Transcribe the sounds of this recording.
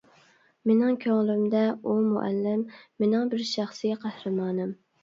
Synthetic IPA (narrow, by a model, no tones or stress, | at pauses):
menɪŋkʲʰøŋlˠymd̪ɛumṵʔæ̰lːɪmːenɪŋbɪɾʃæχsɨɡʲɛqʰæhɾɨmɑːnɨm